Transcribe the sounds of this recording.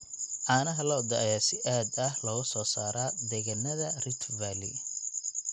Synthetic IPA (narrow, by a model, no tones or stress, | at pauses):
ʔaːnɐɦɐlɐd̪ɐʔɐjaːsɪʔaːd̪ɐhlɐɣʊsɔːsaːɾaːd̪ɛɣɐnɐðɐrɪt̪ʰvalḭ